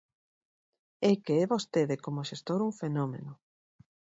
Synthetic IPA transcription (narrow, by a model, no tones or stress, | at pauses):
ɛkeɛβost̪eðɪkomoʃest̪oɾuŋfenomḛnʊ